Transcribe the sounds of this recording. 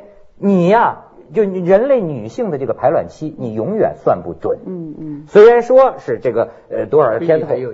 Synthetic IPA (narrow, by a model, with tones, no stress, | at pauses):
ni˨˩ɐ˧ | t͡ɕjo˥˧˩ʊ˨˩ɻə˧˥nle˥˩ɪny˨˩ɕi˥˩ŋd̪ə˩ʈ͡ʂɤ˥˩ɡə˩pʰa˧˥ɪlwa̰˨˩nt͡ɕʰi˥ni˨˩jʊ˧˥ŋjɥɛ̰˨˩nswa˥˧npṵ˥˩ʈ͡ʂwə̰˨˩˦nswe˥ɪɻa˧˥nʂwɔ˥ʂɻ̩˥˧ʈ͡ʂɤ˥˩ɡə˩ | ə˧t̪wɔ˥ə˞˨˧˩jɛ˥nt̪ʰo˨˧˦